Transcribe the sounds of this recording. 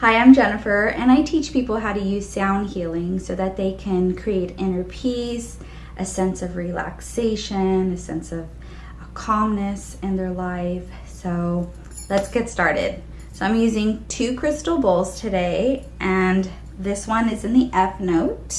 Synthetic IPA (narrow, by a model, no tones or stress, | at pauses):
haɪãɪ̃md͡ʒɛnɨfə˞ɨ̰̃naɪtʰit͡ʃpʰipl̩ˠɦaʊɾɨjʉz̥sãʊ̃nd̚hilˠɪ̃ŋsoʊðɨt̪̚ðeɪkʰɨ̃nkʰɹ̥ieɪɾɪ̃ɾ̃ə˞pʰis | ʔɨsɛ̃nsʌvɹilæ̰kseɪʃɨ̃nɨsɛ̰̃nsʌv̥ | kʰɑmnɨs | ɨ̃nðə˞laɪf | soʊ | lɨtsɡ̥ɛtstɑɹɾɪ̰d̥̚ | soʊãɪ̃mjʉzɪ̃ŋtʰʉkʰɹ̥ɪstl̩ˠbʊlˠz̥tʰɨdeɪʔɨ̃n | ðɪswʌ̃nɨzɨ̃nðiʔɛfnoʊt